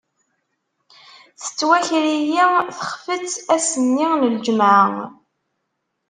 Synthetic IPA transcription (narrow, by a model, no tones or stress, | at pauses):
θə̥t͡sːwæçɾijiθə̥χfət͡sːæsənːiʁnəld͡ʒmʕə